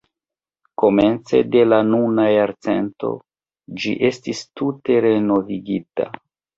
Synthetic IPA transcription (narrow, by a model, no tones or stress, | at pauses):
ko̞me̞nt͡se̞̰de̞lanunajaɾt͡se̞̰nto̞̰ | d͡ʒḭʔe̞stistute̞ɾe̞no̞viɡita̰